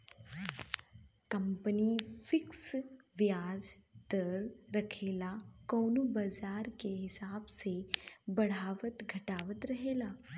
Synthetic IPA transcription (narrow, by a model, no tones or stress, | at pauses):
kəmpənifɪks | ʋjaːd͡zt̪əɾɾəkʰelakəːnubad͡ʒaːɾkeɦɪsaːbsebəɽ̤aːʋət̪ɡʱəʈaːʋət̪ɾəɦelaː